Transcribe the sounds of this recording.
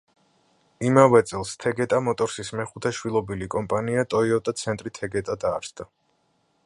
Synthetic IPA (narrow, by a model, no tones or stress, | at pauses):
imavɛt̪sʼɛlˠst̪ʰɛɡɛt̪ʼamɔt̪ʼɔɾsismɛχut̪ʰɛʃwilˠɔbilikʼɔmpʼaniat̪ʼɔiɔt̪ʼat̪sʰɛnt̪ʼɾit̪ʰɛɡɛt̪ʼad̪aːɾsd̪a